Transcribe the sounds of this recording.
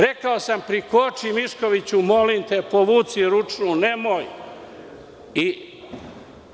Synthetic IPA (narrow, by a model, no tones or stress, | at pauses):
ɾe̞kaosampɾikot͡ʃimiʃko̞ʋit͡ɕumo̞limt̪epoʋuːt̪siɾut͡ʃnune̞moj | i